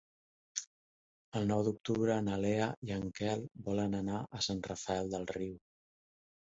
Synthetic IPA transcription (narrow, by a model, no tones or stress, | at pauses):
əlˠnɔwd̪uk̚t̪uβɾəːnəleəiəŋkɛlˠbɔlənənaʔəsanrəfəɛlˠd̪əlˠriw